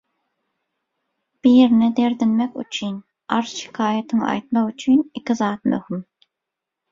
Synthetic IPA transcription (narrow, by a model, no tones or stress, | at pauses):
b̥ijeɾnɪd̪eɾd̪ɪnmɛkʲy̰t͡ʃʰyn | ɑɾz̥ʃɪ̥kʰɑːjɛt̪ʰɪŋɑ̰jt̪mɑqyt͡ʃʰynikʲizɑːt̪̚mø̰hym